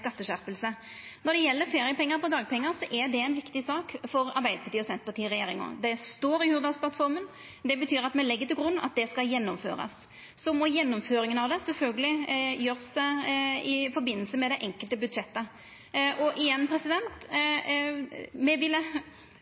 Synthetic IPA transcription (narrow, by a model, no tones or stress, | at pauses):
kɑt̪ːəɕæɾpəlsə | nɔɾd̪ɛjɛlːəɾfeːɾɪjəpɛŋːəɾpɔd̪ɑːɡ̚pʰɛŋːəɾsɔʔɛɾd̪ɛæɪnʋɪkt̪ɪsɑːkfɔɾɑ̰ɾbæɪd̪əpʰɑɾt̪iːɔsɛnt̪pɑt̪iːɾɛjeːɾɪŋɔ̰d̪ɛst̪oːɾɪhʉːɾd̪ɑspʰlɑt̪fɔɾmən | d̪ɛbət̪ʰyːɾɑt̪mɛlɛɡːət̪ʰɪlɡɾʉnːɑ̰t̪̚d̪ɛskɑjɛnːɔmfø̰ːɾɑ̰sː | ɔmɔjɛnːɔmføːɾɪŋənɑʋd̪ɛsɛlfœlɡəlɪjøːʁs | ɪfɔɾbɪnːəl̩səmɛd̪ɛʔɛŋkəlt̪əbʉd̪ʂɛt̪ːə | ʔɔʔɪjɛnːpʰɾɛsɪd̪ɛnt̪ | mɛʋɪlə